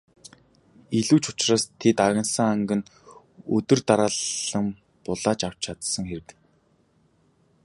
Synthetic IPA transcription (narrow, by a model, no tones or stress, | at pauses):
iɮuːt͡ɕʊ̥t͡ɕraːst̪ʰet̪aɣʲɪ̆nsə̆ŋaŋɡɘ̆n | ɵt̪ɵ̆rt̪aɾaːɮə̆m | pʊɮaːt͡ɕaw̥t͡ɕt͡ɕʰat̪sə̆ŋxeɾɘ̆t̪